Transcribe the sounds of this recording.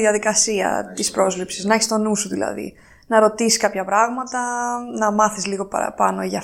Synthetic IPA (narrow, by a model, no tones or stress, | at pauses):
ðiɐðikɐsiɐ̰t̪ispɾo̞zlipsiznɐeçist̪o̞nusuðilɐ̰ðḭ | nɐɾo̞t̪isi̥skɐpçɐpɾɐɣmɐt̪ɐnɐmɐθizliɣo̞pɐ̰ɾɐ̰pɐno̞eʝɐ